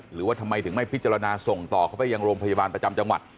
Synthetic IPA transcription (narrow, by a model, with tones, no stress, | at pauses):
ɾɯː˦waː˥˩t̪ʰa˧mːa˧jt̪ʰɯ˩˦ŋma˥˩jpʰi˦˥t̪̚t͡ɕa˧ɾa˧naː˧so˨˩ŋt̪ɔː˨˩kʰa˥˩wpa˥˩ja˧ŋɾoː˧mpʰa˧ja˧baː˧npɾa˧t͡ɕa˧mt͡ɕa˧ŋwa̰˨˩t̪̚